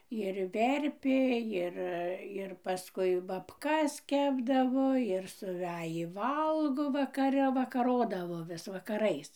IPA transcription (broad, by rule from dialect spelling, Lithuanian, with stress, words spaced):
ɪr ˈʋʲɛrʲpʲeː ˈjɪr ɪr pɐˈskʊɪ bɐpˈkɐs ˈkʲæːbdɐʋoː ɪr sʊˈʋʲæːjiː ˈʋɐlˠɡoː ʋɐkɐˈrʲɛ ʋɐkɐˈroːdɐʋoː ˈʋʲɪs ʋɐkɐˈrɐɪs